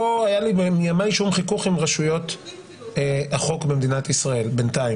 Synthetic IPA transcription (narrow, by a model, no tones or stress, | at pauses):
loajalibemijamajʃumχikuχimʁaʃujo̞t | aχo̞kbemd̪inat̪isʁae̞lbe̞ntai